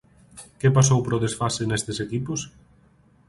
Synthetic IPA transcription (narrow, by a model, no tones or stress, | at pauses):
kepasowpɾoðesfasenest̪esekipʊs